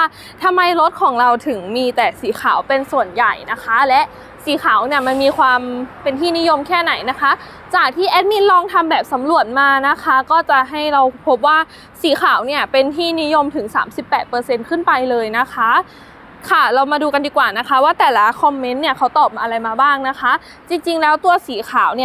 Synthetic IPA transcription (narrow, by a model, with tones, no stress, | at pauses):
a˥ | t̪ʰa˧mːa˧jɾo˦˥t̪̚kʰɔː˨˩˦ŋɾa˧wt̪ʰɯ˨˩˦ŋmiː˧t̪ɛː˨˩siː˩˦xʰa̰ː˨˩˦wpe˧nsu˨˩ənja˨˩jna˦˥kʰa˦˥lɛ˦˥ʔ | siː˨˩˦xʰaː˩˦wni˥˩əma˧nmiː˧kʰwaː˧mpe˧nt̪ʰiː˥˩ni˦˥jo˧mkʰɛː˥˩na˨˩˦jna˦˥kʰa˦˥ | t͡ɕaː˨˩k̚t̪ʰiː˥˩ʔɛː˦˥t̪̚mi˧˥nlɔː˧ŋt̪ʰa˧mbɛː˨˩p̚sa˩˦mɾu˨˩ət̪̚maː˧na˦˥kʰa˦˥kɔː˥˩t͡ɕa˨˩ɦa˥˩jɾa˧wpʰo˦˥p̚waː˥˩ | siː˩˦xʰaː˨˩˦wni˥˩ɐpe˧nt̪ʰiː˥˩ni˦˥jo˧mt̪ʰɯ˨˩˦ŋsa̰ː˩˦msi˨˩pːɛː˨˩t̪̚pɤː˧se˧nkʰɯ˥˩npa˧jlɤː˧jna˦˥kʰa˦˥ | kʰa˧˥˩ɾa˧wmaː˧duː˧ka˧ndiː˧˩kwaː˨˩na˦˥kʰa˦˥waː˥˩t̪ɛː˨˩la˦˥kʰɔ˧mːe˧˦˥nːi˥˩ɐkʰa˦˥wt̪ɔː˨˩p̚aː˧ʔa˧ɾa˧jmaː˧baː˥˩ŋna˦˥kʰa˦˥ʔ | t͡ɕi˧ŋt͡ɕi˧ŋlɛː˦˥wt̪u˧ɐsiː˨˩˦kʰaː˩˦wni˦˥˩